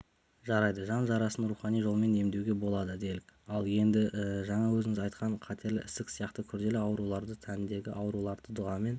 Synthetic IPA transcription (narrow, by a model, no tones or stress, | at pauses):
ʒɑɾɑjd̪əʒɑnʒɑɾɑsənɾuχɑnijʒolˠəme̞ne̞md̪ewɡʲe̞bo̞lˠɑd̪əd̪e̞jlɪkɑlˠje̞nd̪ɪʒɑɴɑwɵzɪŋɪzɑjt̪̚qʰɑɴqʰɑt̪ʰe̞ɾlɪ̰ʔɪst̪ɪksijɑqt̪əkʲʰʏɾd̪e̞lɪɑwɾulˠɑɾd̪ət̪ʰænɪnd̪e̞ɡʲɪʔɑwɾulˠɑɾd̪əd̪ʊʁɑme̞n